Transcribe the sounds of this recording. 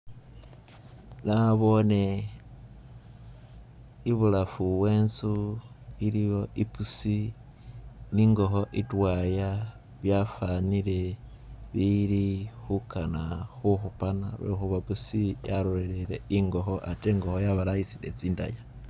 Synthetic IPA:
naβo̞ne | iβulafuβwe̞ːnsuiɾijo̞ʔipusi | niŋɡo̞xo̞ʔitwaja | βjafanile̞ | βiɾixukanaxuxupanaɾḛxuβapusijaɾoɾeleɾeiŋɡo̞xo̞ʔate̞ːŋɡo̞hojaβalajisidet͡siːnda̰ja

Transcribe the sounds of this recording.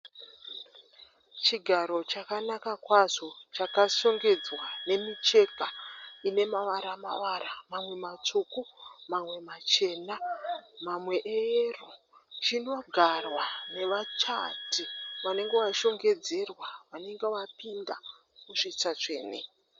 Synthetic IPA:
t͡ʃiɡʱaɾo̞t͡ʃakanakakwaʐo̞t͡ʃakaʃo̞ŋɡe̞d͡zwane̞mit͡ʃe̞kaine̞maʋaɾama̰ʋaɾamamwe̞mat͡sukumamwe̞mat͡ʃe̞ːnamamwe̞ʔeru | t͡ʃino̞ɡʱarwane̞ʋat͡ʃa̰tiʋane̞ŋɡe̞ʋaʃo̞ŋɡe̞d͡ze̞rwaʋane̞ŋɡeʋapinda | muʂit͡sat͡ʂe̞̰ːnḛ

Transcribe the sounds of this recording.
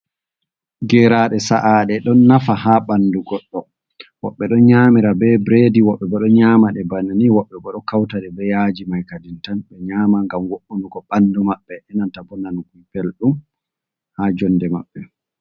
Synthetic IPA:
ɡɛːɾaɗɛsa̰ʔaɗɛɗɔnːafahaɓanːduɡɔɗːɔ | wɔ̰ɓːɛɗɔɲaːmiɾabɛbɾediwɔɓːɛbɔɗɔɲaːmaɗɛbaniniwɔɓːɛbɔɗɔkawtaɗɛbɛjad͡ʒimajkadintanɓɛɲaːmaŋɡamwoɗunuɡɔɓanːdumaɓːɛʔɛnantabɔnankujpelɗum | haːd͡ʒɔnːdɛma̰ɓːɛ

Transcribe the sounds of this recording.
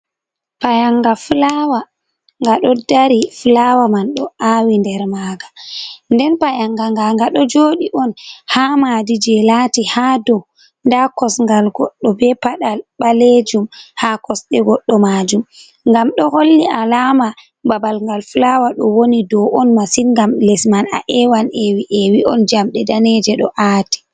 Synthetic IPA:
pajaŋɡaflawa | ŋɡaɗɔdaɾiflawamanɗɔawindɛɾmaːɡandɛnpajaŋɡaŋɡaŋɡaɗɔd͡ʒoɗiʔɔnhamaːdid͡ʒɛlatihadɔw | ndakɔsŋɡalɡɔɗːɔbɛpaɗalɓaled͡ʒumhakɔsɗɛɡɔɗːɔmad͡ʒum | ŋɡamɗɔholːiʔalaːma | babalŋɡalflawaɗɔwonidɔʔɔnmasinŋɡamlɛsmana̰ʔɛwanɛwiʔɛwiʔɔnd͡ʒamɗɛdaned͡ʒɛɗɔʔaːti̥

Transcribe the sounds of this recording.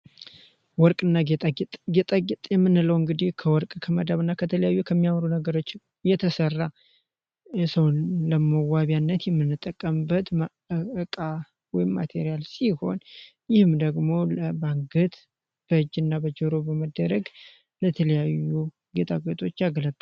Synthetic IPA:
wɔɾkʼɨnːaɡet̪ʼat̪ʼɡet̪ʼaɡɪt̪ʼjɛmːɨnɨləwɨŋɡɨd̪ihkʰəwɔɾkʼkʰəməd̪aβɨnːakʰət̪ʰələjajːukʰəmːijamɾunəɡəɾo̞t͡ʃː | jɛt̪ʰəsərːa | səwləməwaβjanːət̪jɛmːɨnːɨt̪ʼːəkʼːəmɨbːət̪m | ɨkʼa | wɔjɪmːa̰t̪ʰe̞ɾijalsiho̞̰n | jɪhɨmd̪əɡmo̞ləbaŋɡɨt̪ | b̥əɨd͡ʒɨnːabəd͡ʒəɾobəməd̪əɾəɡ | lət̪ʰələjajːu | ɡe̞t̪ʰaɡet̪ʰʼo̞t͡ʃːaɡlət̪ʼl

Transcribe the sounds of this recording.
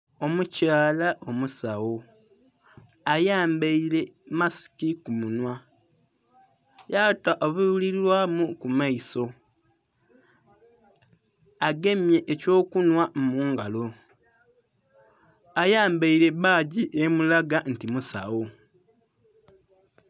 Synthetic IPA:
o̞mucaːlaʔo̞musawo̞ | ajaːmbeiɾe̞masi̥kikumunwa | jataʔoβuβuliɾilwamukumaiso̞ | aɡe̞mje̞ʔːco̞ːkunwamuːŋɡalo̞ | ajaːmbaiɾe̞βaːɟiʔemulaɡantimusa̰wo

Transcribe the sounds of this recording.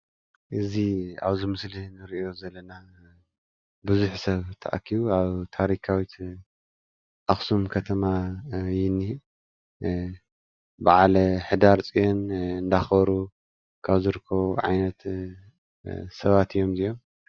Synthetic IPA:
ʔɨzia̰βzɨmɨslinɨɾiʔo̞zɐlːɐna | bɨzuħsɐβt̪ʰɐ̰ʔa̰kʰːiβuaβt̪ʰaɾikʰawit̪ | ʔaxsumkʰɐt̪ʰɐmajɪnːi | baʕalɐħɨd̪aɾt͡sʼijonɨnd̪axβɐɾu | kʰaβzɨɾɨkʰːɐβuʕa̰jnɐt̪ | sɐβat̪ɨjːo̞mzijo̞m

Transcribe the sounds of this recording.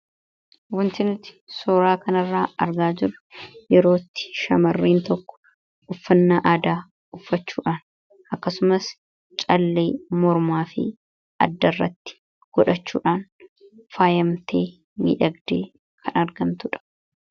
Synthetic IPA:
wɔnt̪ɪnɪt̪ɪ̥sɔːɾaːkɐnɐrːaːɐɾɡaːd͡ʒɪrʊjɛɾo̞ːt̪ːɪ̥ʃɐmɐrːiːnt̪ɔkːɔ̥ | ʊfːɐnːaːʔaːd̪aː | ʊfːɐt͡ʃːuːᶑaːn | ʔɐkːɐsʊmɐs | t͡ʃʼɐlːeːmɔɾmaːfɪ̰ | ʔɐ̰d̪ːɐrːɐt̪ːɪ̥ | ɡ̥ɔᶑɐt͡ʃːṵːᶑaːnfaːjɐmt̪ʰe̞ː | mḭːᶑɐɡd̪e̞̰ː | kʰɐnɐɾɡɐmt̪ʊᶑɐ̥

